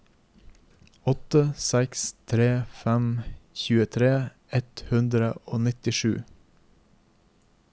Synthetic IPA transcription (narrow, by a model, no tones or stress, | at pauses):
ɔt̪əsɛkst̪ʰɾeːfɛmçʉːət̪ʰɾeː | ɛt̪hʉnd̪ɾəoːnɪt̪ɪʃʉː